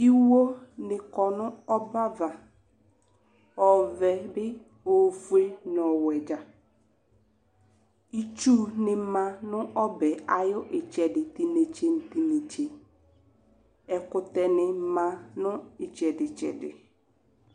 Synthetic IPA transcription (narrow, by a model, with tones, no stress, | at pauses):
i˦wo˦nɪ˨kɔ˨nʊ̃˦ɔ˦ba˦va˨ | ɔ˨vɛ˨bɪ˦ | o˨fu˦e˦nɔ˨wɛ˨d͡ʒa˨ | i˦t͡ʃu˦nɪ˨˦mã˨nʊ̃˦ɔ˦bɛ˨a˨jʊ˦ʔɪ˨t͡ʃɛ˨dɪ˨ti˨ne˨t͡ʃe˨n̩˨ti˨ne˨t͡ʃe˨ | ɛ˨kʊ˨tɛ˨nɪ˨˦mã˦nʊ̃˦ɪ˨t͡ʃɛ˨dɪ˨t͡ʃɛ̰˨dɪ̰˨